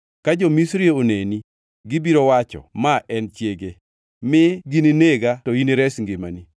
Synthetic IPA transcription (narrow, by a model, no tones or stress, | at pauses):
kad͡ʒomisɾieoneni | ɡibiɾowat͡ʃɔ̰maʔɛnt͡ʃjeɡe | mɪɡinineɡatɔiniɾɛsŋɡema̰ni